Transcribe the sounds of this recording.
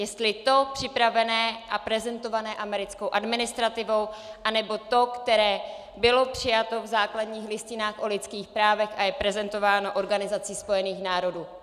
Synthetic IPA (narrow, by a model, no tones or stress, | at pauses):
jɛst̪lɪt̪o̞pr̥ɪpɾavɛnɛːʔapɾɛzɛnt̪o̞vanɛːʔamɛɾɪt͡sko̞wʔadmɪnɪst̪ɾat̪ɪvo̞wʔanɛbo̞t̪o̞kt̪ɛɾɛː | bɪlo̞pr̝̥ɪjat̪o̞vzaːkladɲiːxlɪscɪnaːxʔo̞lɪt̪t͡skiːxpɾaːvɛxʔajɛpɾɛzɛnt̪o̞vaːno̞ʔo̞ɾɡanɪzat͡siːspo̞jɛniːxnaːɾo̞duː